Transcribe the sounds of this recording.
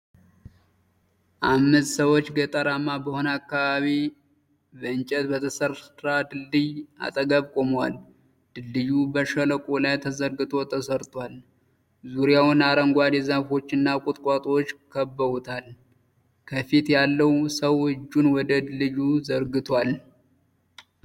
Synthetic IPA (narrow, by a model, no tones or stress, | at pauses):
ʔamːɨst̪səwo̞t͡ʃːɡət̪ʼəɾamːabəho̞nakːaβaβi | bəɨnt͡ʃʼɛt̪bət̪ʰəsəɾɾad̪ɨlːɨja̰t̪ʼəɡəβkʼo̞mwa̰l | d̪̥ɨlːɨjubəʃələkʼolajt̪ʰəzəɾɡɨt̪ʰʼo̞t̪ʰəsəɾt̪ʰʼwal | zuɾjawʊnaɾəŋɡʷad̪ezafo̞t͡ʃːɪnːakʼʊt̪ʼkʷʼat̪ʼwot͡ʃːkʰəbːəβut̪ʰal | kʰəfit̪jalːəwsəwhɨd͡ʒːunwɔd̪əd̪ɨlːɨjuzəɾɡɨt̪ʰwal